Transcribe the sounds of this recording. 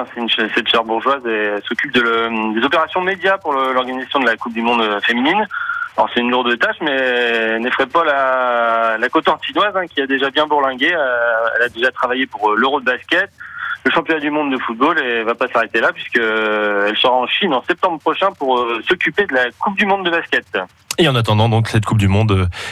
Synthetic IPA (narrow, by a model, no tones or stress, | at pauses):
ɛ̃sɛynʃsɛt̪ʃɛʁbuʁʒwazɛɛsɔkʲyp̚d̪əld̪ezɔpeʁasjɔ̃med̪japuʁlɔʁɡanizasjɔ̃d̪əlakup̚d̪ymɔ̃d̪əfemininlɔ̰ʁsɛt̪ynluʁd̪ət̪aʃmɛnɛfχɛpala | lakot̪ɔ̃ʃinwazɛ̃kʲiad̪eʒabjɛ̃buʁlɛ̃ɡeɛ̰lad̪eʒat̪χavajepuʁløʁod̪əbaskʲɛt̪ləʃɑ̃pjɔnad̪ymɔ̃d̪ːəfut̪̚bolevapasaʁet̪elapɥiskəɛlsəʁaɑ̃ʃinɑ̃sɛp̚t̪ɑ̃bʁəpχɔʃɛ̃puʁøsɔkʲyped̪əlakup̚d̪ymɔ̃d̪ːəbaskʲɛt̪ | eɑ̃nat̪ɑ̃d̪ɑ̃d̪ɔ̃ksɛt̪̚kʰup̚d̪ymɔ̃d̪ø